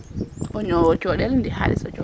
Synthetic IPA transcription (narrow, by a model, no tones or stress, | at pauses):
ʔɔɲɔwɔt͡ʃɔɗɛlndɛha̰ɾḭsɔ̰t͡ʃɔ